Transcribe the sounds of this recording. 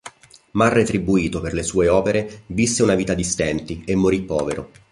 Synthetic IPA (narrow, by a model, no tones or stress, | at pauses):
marːet̪ɾibuiːt̪operlesuːeɔːpeɾevisːeunaviːt̪ad̪ist̪ɛnt̪iemːoɾipːɔːveɾo̰